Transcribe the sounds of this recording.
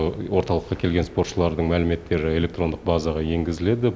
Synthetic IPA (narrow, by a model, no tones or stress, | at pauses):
wo̞ɾt̪ɑlˠəqːɑkʲʰe̞lɡʲe̞nspo̞rt̪ʃəlˠɑɾd̪əɴmælɪme̞t̪ːe̞ɾɪe̞lʲe̞k̚t̪ro̞nd̪əq̚bɑzɑʁɑje̞ŋɡʲɪzɪle̞d̪ɪ